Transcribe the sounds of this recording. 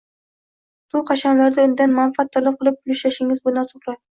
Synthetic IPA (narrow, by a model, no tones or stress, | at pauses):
t̪ʰʊqʰɑʃanlaɾd̪aʊnd̪anmanfat̪ʰːalˠɪp̚qʰɨlˠɪp̚ʊlɪʃlaʃɪŋɪzbʊnd̪at̪ʰoχlˠaj